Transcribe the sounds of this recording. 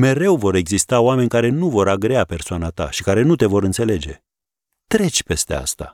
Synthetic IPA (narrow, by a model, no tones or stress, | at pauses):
me̞ɾe̞wvo̞ɾe̞ɡzist̪aoame̞nʲkaɾe̞nuvo̞ɾaɡɾeape̞rsoanat̪a̰ʃikaɾe̞nut̪e̞vo̞ɾɨnt̪se̞le̞d͡ʒe̞̰ | t̪ɾe̞t͡ʃʲpe̞st̪e̞̰a̰st̪a̰